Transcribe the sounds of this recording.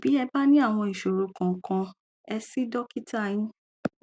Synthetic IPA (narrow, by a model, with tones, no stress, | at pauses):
b̥i˨˦ɛ˧ba˦nĩ˦a˦˨w̃ɔ̃˧i˨ʃo˨ɾo˧kã˨ŋ˨kã˧ | ɛ˧si˦dɔ˦ki˦ta˦˨jĩ˦